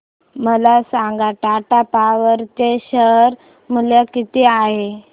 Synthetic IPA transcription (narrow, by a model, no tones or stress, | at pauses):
məlasaŋɡaʈaʈapaʋəɾt̪eɕəɾ | məlakit̪eaɦe